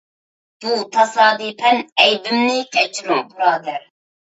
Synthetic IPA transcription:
b̥uːt̪ʰɑsɑːd̪ipʰɛnɛjbɨmnikʲɛt͡ʃɾõbuɾɑːd̪ɛɾ

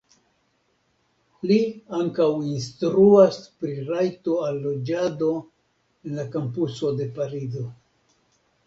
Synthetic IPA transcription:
liaŋkawinstɾuaspɾiɾajto̞alːo̞d͡ʒado̞ | enlakampuso̞de̞paɾizo̞

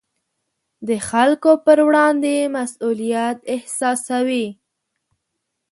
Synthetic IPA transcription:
d̪əxalkopəɾwɽɑnd̪emasulijat̪ɪhsɑsawi

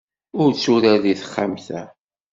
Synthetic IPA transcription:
ʊɾt͡sːuɾæðiθə̥χːamθæ

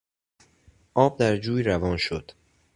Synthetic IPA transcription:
ʔɒːb̚d̪æɾd͡ʒuːjɾævɒːnʃod̪̥

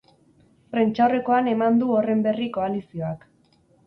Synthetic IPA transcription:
fɾe̞nt͡ʃawre̞ko̞ane̞mand̪uo̞re̞mbe̞riko̞alisio̞ak

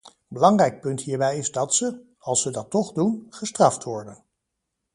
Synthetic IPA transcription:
bəlɑŋrɛjk̚pɵntɦiːɹbɛjɪzdɑtsə | ɑlˠsədɑtːɔχdunχəstrɑftʋɔɹdən

